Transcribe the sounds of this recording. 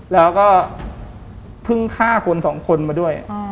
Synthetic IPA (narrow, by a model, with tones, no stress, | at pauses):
lɛː˦˥wkɔː˥˩ | pʰɯ˥˩ŋkʰaː˥˩kʰo˧nsɔː˩˦ŋkʰo˧nmaː˧du˥˩əj̰